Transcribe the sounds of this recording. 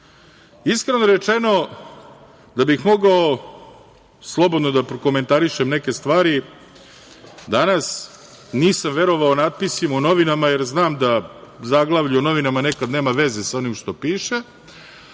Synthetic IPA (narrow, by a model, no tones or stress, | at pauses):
iskɾenoɾet͡ʃe̞no̞ | d̪abixmo̞ɡao | slˠo̞bo̞d̪no̞d̪apɾokome̞nt̪aɾiʃemne̞ke̞st̪ʋaːɾi | d̪anas | niːsamʋe̞ɾo̞ʋaonad̪̚pisimuno̞ʋinamaje̞ɾznaːmd̪azaɡlˠaʋʎujono̞ʋinamane̞kad̪ne̞ːmaʋe̞zesao̞nimʃt̪o̞piːʃe